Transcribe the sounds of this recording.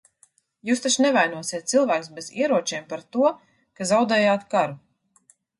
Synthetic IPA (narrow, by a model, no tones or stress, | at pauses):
juːst̪at͡ʃnɛvajnuɔsiɛt̪̚silˠvæːkusbezḭɛɾuɔt͡ʃiːmpaɾt̪uɔ | kazawd̪ɛːjaːt̪kaɾu